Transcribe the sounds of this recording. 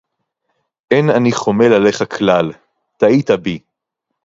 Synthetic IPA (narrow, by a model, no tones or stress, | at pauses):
ʔenaniχo̞melale̞χakʰlal | t̪ait̪abi